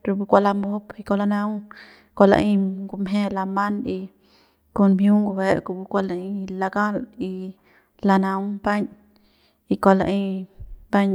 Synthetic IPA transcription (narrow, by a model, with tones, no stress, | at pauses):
ɾu˧bu˧kʷa˧la˧mbo˦pi˧ko˧la˧nã˧w | kʷa˧˨la̰˧ʔi˧ɡu˧mɦẽ˦la˧ma˦ni˧ | ko˧nmju˦ŋɡu˧be˧˦ʔku˧bu˧kʷa˧la˧i˧˦la˧ɡa˦li˧ | la˧nã˧wba˦ɲ | i˧kʷa˧la̰˧ʔi˧ba˦ɲ